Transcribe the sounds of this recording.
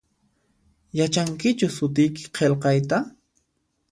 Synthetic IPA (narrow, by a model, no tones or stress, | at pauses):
jat͡ʃaŋkɪt͡ʃʊsʊt̪̬ɪjkɪ̥qʰelqɑjt̪a